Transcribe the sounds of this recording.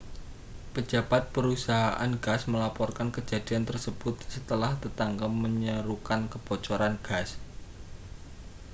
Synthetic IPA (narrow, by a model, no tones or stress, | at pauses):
pə̥d͡ʒ̥a̤b̥at̪̚pəɾusaɦaʔanɡasməlapɔrkankəd͡ʒad̥̪i̤ant̪ərsəb̥ʊt̪̚sət̪əlaht̪ət̪aŋɡaməɲəɾukankəb̥ɔt͡ʃɔɾanɡ̥as